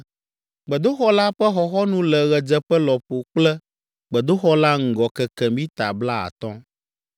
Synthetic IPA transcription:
ɡ͡bɛ˨d̪o˦xɔ˦la˦ɸɛ˦xɔ˨xɔ˦nũ˦lɛ˨ɣɛ˨d͡ʒɛ˦ɸɛ˦lɔ˨ɸo˨k͡plɛ˦ | ɡ͡bɛ˨d̪o˦xɔ˦la˦ŋ̩˨ɡɔ˨kɛ˨kɛ˨mĩ˦t̪a̰˨bla˦a̰˨t̪ɔ̃˦

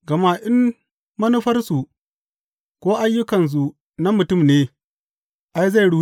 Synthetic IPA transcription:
ɡɐ˨ma˦ʔɪ˦mː | ɐ˦nu˦ɸɐ˦rsu˨ | kʷoː˦ʔa˦jːʊ˦kɐ˨ns̬u˨ | na˦mʊ˨tʊ˦˨mneː˦ | ʔa˦jza˦˨jɽu˦

